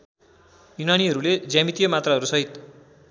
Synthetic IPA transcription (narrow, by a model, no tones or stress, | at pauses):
junaniɦʌɾuled͡zjamit̪ijʌmat̪raɦʌɾusʌɦit̪